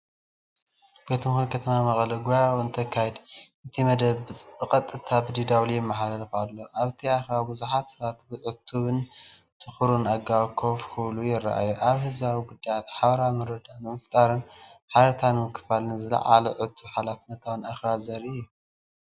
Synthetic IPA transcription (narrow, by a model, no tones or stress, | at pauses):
b̥et̪mɨxunkʰɐt̪ʰɐmamɐχʼlɐɡojawɨnt̪ʰɐkʰːajɛd̪ʔɨt̪ʰimɐd̪ɐβɨt͡sʼɨkʼɐt̪ʼːɨt̪ʰabɨd̪id̪awlijɪmːaħalɐlxalːo̞ʔaβt̪ʰiaxβabuzuħat̪sɐβat̪bɨʕɨt̪ʰːuβɨn | t̪ʰɨxɾunaɡawkʰofkʰɨβlujɪrːa̰ʔa̰juʔaβhɨzβawiɡud̪ːajat̪ħaβɐɾamɨɾɐd̪anɨmɐft̪ʼaɾɨnħaɾɐt̪ʰanmɨkʰːɨ̥falnɨzɨlɐ̰ʕa̰lɐʕɨt̪ʰːuβħalafnɐt̪ʰawɨnaxβazɐɾɨjːu